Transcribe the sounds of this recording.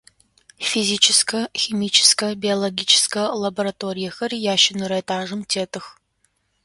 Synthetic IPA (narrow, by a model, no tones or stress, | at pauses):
fiziːt͡ʃʰɪskʰɐximiːt͡ʃʰɪ̥skɐbiolˠoɡʲiːt͡ʃʰɪ̥skɐlɐboɾɐtʰoːɾijɐxɐrijaːʃɪnɨɾɐtʰaːʒɨmtʰeːtʰɨx